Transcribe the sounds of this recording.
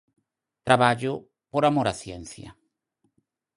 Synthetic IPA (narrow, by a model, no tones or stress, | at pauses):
t̪ɾaβaʎʊ | poɾamoɾasjenθjɐ̰